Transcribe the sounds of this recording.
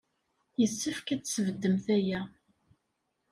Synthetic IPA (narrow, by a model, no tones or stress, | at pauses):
jəsːəfkæt͡sːsəvəd̪ːəmθæjæ